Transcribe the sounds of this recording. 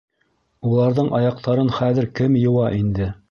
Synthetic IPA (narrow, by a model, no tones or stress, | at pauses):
ulˠɑɾðɤɴʔɑjɑq̚t̪ʰɑɾɤnχæðɘ̆ɾkɘmjɤ̆wɑʔind̪ɘ